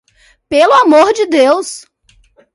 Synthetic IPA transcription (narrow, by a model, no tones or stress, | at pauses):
pelʊamoɾd͡ʒɪd̪ews